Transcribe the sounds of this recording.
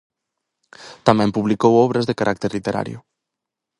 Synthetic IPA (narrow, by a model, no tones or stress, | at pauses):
t̪amɛ̃mpuβlikowɔβɾɐzðekaɾʔak̚t̪eɾlit̪eɾa̰ɾjʊ̰